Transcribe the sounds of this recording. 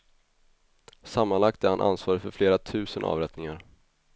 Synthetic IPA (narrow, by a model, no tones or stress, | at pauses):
samːanlak̚t̪æɾhanʔa̰nsvɑːɾɪfœɾfleːɾat̪ʰʉ̟ːsənʔɑ̰ːvɾɛt̪nɪŋaɾ